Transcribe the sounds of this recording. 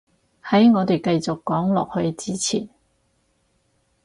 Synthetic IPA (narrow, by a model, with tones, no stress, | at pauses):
hɐ˨˥jŋɔː˨˧t̪e˨jkɐ˧jt͡sʊ˨kːɔː˨˥ŋlɔ̰ː˨k̚hɵ˧ɥt͡siː˥t͡sʰḭː˨˩n